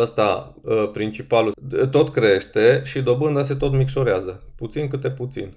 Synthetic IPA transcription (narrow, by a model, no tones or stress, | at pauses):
əst̪a̰pɾint͡ʃipalut̪o̞t̪kɾe̞ʃt̪e̞ʃid̪o̞bɨnd̪as̬e̞t̪o̞t̪mikʃo̞ɾeazəput̪sinkɨt̪̚d̪e̞put̪sḭn